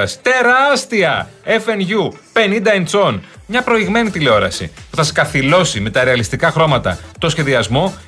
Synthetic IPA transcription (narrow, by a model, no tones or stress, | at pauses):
ɐsi̥t̪e̞ɾɐst̪iɐefe̞nʝupe̞nind̪ɐent͡so̞n | mɲɐpɾo̞iɣme̞nit̪ile̞o̞ɾɐ̰sḭpuθɐse̥kɐθilo̞sime̞t̪ɐɾe̞ɐlist̪ikɐxɾo̞mɐt̪ɐ̰t̪o̞sçe̞ðiɐzmo̞